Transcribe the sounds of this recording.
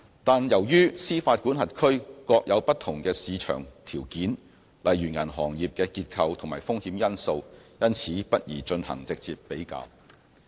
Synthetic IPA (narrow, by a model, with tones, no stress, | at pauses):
t̪aː˨njɐ˨˩wjyː˥siː˥faː˧t̚ku˨˥nɦɐ˨t̚kʰɵ˥ɥkɔː˧k̚jʔɐ˨˧wpɐ˥t̚t̪ʰʊ˨˩ŋkɛː˧siː˨˧t͡ʃʰœ̰ː˨˩ŋt̪ʰiː˨˩wkiː˨˥n | lɐ˨jyː˨˩ŋɐ˨˩nɦɔː˨˩ŋjiː˨p̚kɛː˧kiː˧t̚kʰɐ˧wt̪ʰʊ˨˩maː˨˩jfʊ˥ŋhiː˨˥mjɐ˥nso˧wjɐ˥nt͡sʰiː˨˥pɐ˥t̚jiː˨˩t͡ʃɵ˧nhɐ̰˨˩ŋt͡sɪ˨k̚t͡siː˨p̚pe˨˥jka̰ː˧w